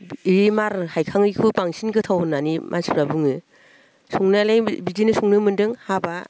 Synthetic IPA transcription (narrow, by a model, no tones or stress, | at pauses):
iɾimaɾhajkʰaŋɯjkʰupaŋsinɡɯtʰawɯnːanimʔa̰spɾabuŋɯ | suŋnalajbidinɯsuŋnɯmɯndɯŋhaba